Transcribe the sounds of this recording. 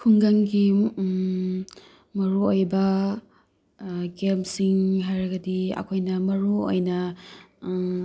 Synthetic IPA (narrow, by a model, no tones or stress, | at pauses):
kʰuŋɡaŋɡi | mɐɾuojbɐ | ɡemsiŋɦajɾɐɡɐdiɐ̰kʰojnɐmɐɾuo̰jnɐ